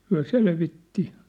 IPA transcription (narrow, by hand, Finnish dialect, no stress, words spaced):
hyæ selʋitːi